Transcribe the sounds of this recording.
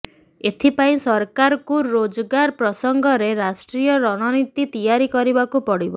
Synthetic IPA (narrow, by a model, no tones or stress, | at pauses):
et̪ʰipaĩsɔɾkaɾɔkuɾod͡ʒɔɡaɾpɾɔsɔŋɡʱɔɾeɾasʈɾijɔɾɔɽ̃ɔnit̪it̪ijaɾikɔɾibakupɔɽibɔ